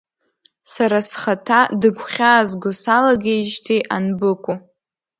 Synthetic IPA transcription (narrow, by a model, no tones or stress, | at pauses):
saɾasχatʰadɨɡʷʰχʲaːzɡʷʊsalaɡʲejʒtʰiʔanbɨkʷʼu